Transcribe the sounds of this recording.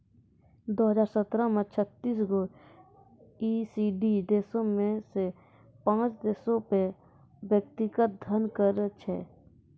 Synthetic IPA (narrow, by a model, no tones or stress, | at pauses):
d̪oːɦəd͡ʒaːɾsət̪ɾəmẽt͡ʃʰət̪ːiːs̬ɡoːɾ | iːsiɖid̪eːsõmẽse | pãːt͡ʃd̪eːsõpe | wjək̚t̪ɪɡət̪̚d̪ʱənkəɾt͡ʃʰɛ̰ː